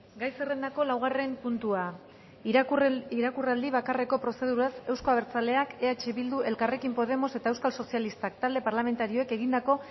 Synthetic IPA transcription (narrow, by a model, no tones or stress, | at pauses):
ɡajsere̞nd̪ako̞lawɣ̞are̞mpunt̪ua | iɾakurald̪iβ̞akare̞ko̞pɾo̞se̞ð̞uɾase̞wsko̞aβ̞e̞ɾt͡sale̞ake̞at͡ʃeβild̪uʔe̞lkare̞kimpo̞ð̞e̞mo̞se̞t̪aewskalso̞sialist̪ak̚t̪ald̪e̞paɾlame̞nt̪aɾio̞eke̞ɣind̪ako̞